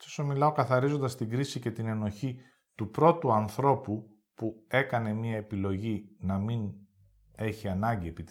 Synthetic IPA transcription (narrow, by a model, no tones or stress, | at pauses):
osomilɐo̞kɐθɐɾizo̞nd̪ɐst̪iɡɾisice̞t̪ine̞no̞çi | t̪upɾo̞t̪uɐnθɾo̞pu | pue̞kɐne̞miɐe̞pilo̞ʝinɐmin | e̞çiɐnɐɲɟie̞pit̪